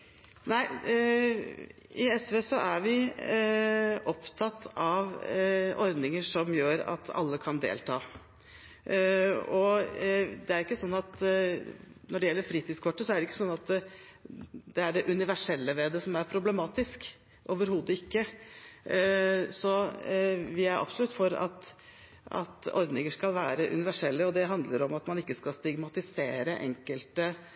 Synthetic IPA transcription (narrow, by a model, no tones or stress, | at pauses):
næɪ | ɪɛsʋeːsɔʔæɾʋɪ | ʔɔpt̪ʰɑt̪ːɑʋ | ɔɾd̪nɪŋəʂɔmjøːɾɑ̰t̪ʰɑ̰lːəkʰɑnd̪ḛːlt̪ʰɑ̰ː | ɔ | d̪ɛæɾɪkːəsɔnːɑt̪ | nɔɖɛjɛlːəɾfɾiːt̪id̪skʰɔʈːəsɔæɾɖɛɪkːəsɔnːɑt̪ | d̪̥ɛæɖɛʔʉnɪʋæʂɛlːəʋɛd̪ɛsɔmæɾpʰɾʊblɛmɑːt̪ɪsk | ʔoːʋəɾhuːd̪əɪkːə | sɔ | ʋɪæɾʔɑ̰bsɔlʉt̪ːfɔɾɑ̰t̪ | ɑ̰t̪ɔ̰ɾd̪nɪŋəʂkɑlʋæːɾəʔʉ̰nɪʋæʂɛlːəɔd̪ɛɦɑnd̪ləɾɔmɑt̪mɑnɪkːəskɑlst̪ɪɡmɑt̪ɪseːɾəʔɛ̰ŋkəlt̪ə